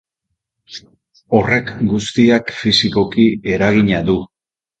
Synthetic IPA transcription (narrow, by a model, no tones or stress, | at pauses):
o̞re̞kɡust̪iakfisiko̞kie̞ɾaɣ̞iɲaðu